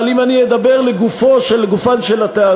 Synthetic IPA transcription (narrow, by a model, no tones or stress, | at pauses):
limanied̪abeʁleɡufo̞ʃelɡufanʃelat̪aː